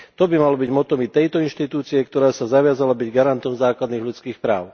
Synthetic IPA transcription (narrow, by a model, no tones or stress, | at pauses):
t̪ɔbimalɔbiɟmɔt̪ɔmit̪ɛjt̪ɔinʃt̪it̪uːt͡siɛkt̪ɔɾaːsazaʋɪazalabiɟɡaɾant̪ɔmzaːklad̪niːɣʎut͡skiːxpɾaːʊ